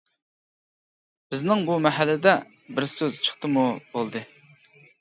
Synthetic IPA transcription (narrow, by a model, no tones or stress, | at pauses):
b̥ɪznɪŋbumɛɦælːɪd̪ɛ | bɪɾsøz̥t͡ʃʰə̥χt̪ɨmub̥olˠd̪ɨ